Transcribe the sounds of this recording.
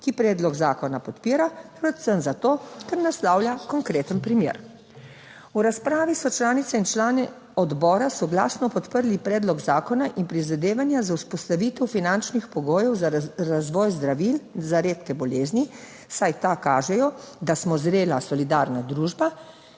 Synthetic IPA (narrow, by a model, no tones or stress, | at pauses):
kipɾɛːd̪lɔɡzaːkɔnapɔt̪piːɾapɾɛt̪səmzat̪oːkɛɾnastlawljakɔŋkɾeːt̪ənpɾimjḛːɾ | uɾaspɾaːʋisɔt͡ʃlaːnit̪sɛint͡ʃlaːnɛ | ɔd̪bɔːɾasɔɡlaːsnɔpɔt̪pəɾlipɾɛːd̪lɔɡzaːkɔnaʔinpɾizad̪eːʋanjazawspɔst̪aʋiːt̪ɛwfinant͡ʃnixpɔɡoːjɔwzaɾazʋɔːjzd̪ɾaʋilzaɾeːt̪kɛbɔleːzni | sajt̪akaːʒɛjɔd̪asmɔzɾeːlasɔlid̪aːɾnad̪ɾuːʒba